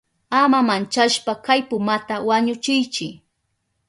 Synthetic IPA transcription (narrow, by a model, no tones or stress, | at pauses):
amamant͡ʃaʃpakajpʊmat̪awaɲʊt͡ʃɪjt͡ʃɪ